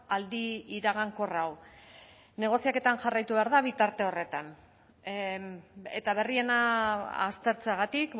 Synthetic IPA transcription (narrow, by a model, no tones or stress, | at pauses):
ald̪iːɾaɣ̞aŋko̞raw | ne̞ɣ̞o̞siake̞t̪anʝarajt̪uβe̞aɾðaβit̪aɾt̪e̞o̞re̞t̪an | e̞̰t̪aβ̞e̞rie̞naa̰st̪e̞ɾt͡seaɣat̪ik